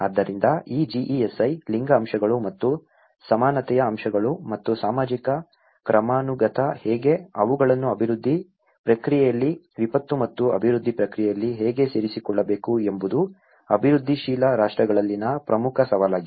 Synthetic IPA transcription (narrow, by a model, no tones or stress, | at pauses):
ɐd̪ːɐɾind̪ɐiːd͡ʒiʔiesɐjliŋɡɐːmʃɐɡɐɭumɐt̪ːu | sɐmaːnɐt̪ɛjɐːmʃɐɡɐɭumɐt̪ːusaːmaːd͡ʒikɐ | kɾɐmaːnuɡɐt̪ʰɐhɛːɡe̞ɐʋuɡɐɭɐnːuɐbʱiɾud̪ʱːi | pɾɐkɾijɛjɐlːi | ʋipɐt̪ːumɐt̪ːuɐ̰bʱiɾud̪ʱːipɾɐkɾijɛjɐlːiɦɛːɡe̞seːɾisikɔɭːɐbe̞ːkuembud̪u | ɐbʱiɾud̪ʱːiʃiːlɐɾaːʂʈɾɐɡɐɭɐlːinɐpɾɐmukʰɐsɐʋaːlaːɡi